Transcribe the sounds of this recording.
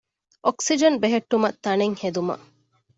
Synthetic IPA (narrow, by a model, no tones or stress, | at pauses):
ʔoksid͡ʒɐnbeɦeʈːumɐt̪ːɐneŋhed̪umɐ̰